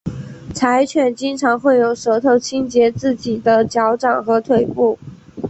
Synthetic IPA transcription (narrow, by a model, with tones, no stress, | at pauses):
t͡sʰa˧˥ɪt͡ɕʰɥɛ˨˩nt͡ɕi˥ŋʈ͡ʂʰɑ˧˥ŋxwe˥˩ɪjo˧˥˩ʊʂɤ˧˥t̪ʰo˥˧ʊt͡ɕʰi˥ŋt͡ɕjɛ˧˥t͡sɹ̩˥˩t͡ɕi˨˩d̪ə˦t͡ɕjɑ˧˥ʊʈ͡ʂɑ˨˩ŋxɤ˧˥t̪ʰwe˥˧˩ɪpu˥˩